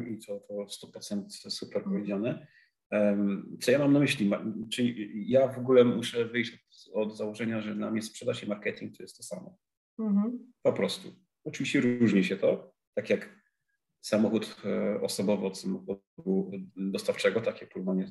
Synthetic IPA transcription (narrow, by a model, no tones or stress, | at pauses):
it̪ɔt̪ʰɔst̪upɾɔt̪sɛnt̪supɛɾpɔvʲjed͡ʑanɛ | t̪sɔjamamnamɘɕlʲimat͡ʂɘlʲijavɔɡulɛmuʂɛvɘjɕt͡ɕɔt̪ɔd̪zawɔʐɛɲaʐɛnamɲɛspʂɛd̪aʂɛmaɾkɛt̪ʲiŋk̚t̪ɔjɛst̪ːɔsamɔ | ɦ̩pɔpɾɔst̪u | ɔt͡ʂɨviɕt͡ɕɛɾuʐɲiɕɛt̪ɔ | t̪akʲjak | samɔxut̪ɔsɔbɔvɨɔt̪samɔxɔ | d̪ud̪ɔst̪aft͡ʂɛɡɔt̪akʲjak̚pɾuvaɲɛ